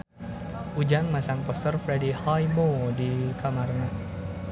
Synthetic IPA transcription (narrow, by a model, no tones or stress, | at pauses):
ʔud͡ʒaŋmasaŋpɔst̪ərfɾɛdihajmodikʰamarna